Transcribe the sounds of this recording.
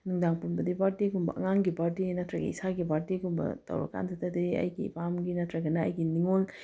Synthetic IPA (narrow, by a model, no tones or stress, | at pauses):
nuŋdaŋpunbɐdipaɾtiɡumbɐ̰ʔɐ̰ŋaŋɡipaɾtinɐtɾɐɡɐ̰isaɡipaɾtiɡumbɐ̰tɐ̰wɾa̰kːa̰ndʰɐtɐdiɐ̰jɡḭpamɡinɐtɾɐɡɐnɐɐ̰jɡiniŋol